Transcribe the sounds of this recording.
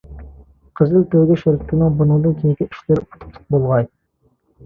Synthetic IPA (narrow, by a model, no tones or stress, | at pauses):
qʰəzɪlt̪ʰøɡʲɛʃeɾkʲʰɪt̪ʰɪnɪŋbunɨŋd̪ɨnkʲʰenɪkʲiiʃlɪɾpu̥t̪ʰu̥pt̪ʰʊ̥q̚bolˠʁɑj